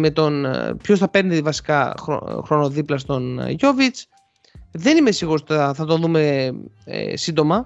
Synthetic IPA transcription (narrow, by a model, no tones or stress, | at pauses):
me̞t̪o̞npço̞sθɐpe̞ɾnivɐsi̥kɐxɾo̰xɾo̞no̞ðiplɐst̪o̞nʝo̞vit͡s | ðe̞nime̞siɣosɐθɐt̪o̞nðume̞̰ | sind̪o̞mɐ